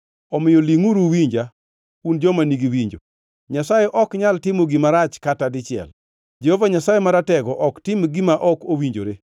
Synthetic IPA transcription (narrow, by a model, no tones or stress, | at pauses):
ɔmɪjɔliŋuɾuwiɲd͡ʒa | und͡ʒɔmaniɡiwiɲd͡ʒo̰ | ɲasajeʔɔkɲaltɪmoɡɪmaɾat͡ʃkatadɪt͡ʃɪɛ̰l | d͡ʒehovaɲasajemaɾatɛɡɔʔɔktɪmɡɪmaʔɔkowiɲd͡ʒoɾe